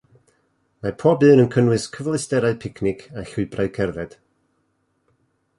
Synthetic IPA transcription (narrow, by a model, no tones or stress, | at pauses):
mapʰɔːbɨːɾənkʰənwɨskʰəvlˠɪstɛɾaɨpʰɪkʰnɪkʰaɬʊɨbraɨkʰɛrðɛd̥